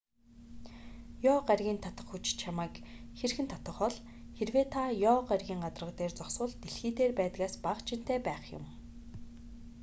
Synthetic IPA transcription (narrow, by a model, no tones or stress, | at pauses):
jɔːɢarɣʲiːnt̪ʰat̪ə̥̆χxut͡ɕt͡ɕʰamaːkxerxɘ̆nt̪ʰɔt̪ə̆χɔɮ | xerweːt̪ʰajɔːɢarɣʲiːŋɢat̪ə̆rə̆χt̪eːrt͡sɔkswʊ̆ɮt̪eɮxiːt̪eːrpæːt̪ɣaːspaχt͡ɕʰin̥t̪eːpæːχjʊ̰m